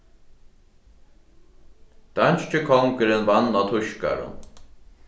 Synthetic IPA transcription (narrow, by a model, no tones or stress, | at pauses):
d̪̥ant͡ʃt͡ʃɪkʰɔŋkəɾɪnvanːat̪ʰʊʃka̰ɾʊ̰n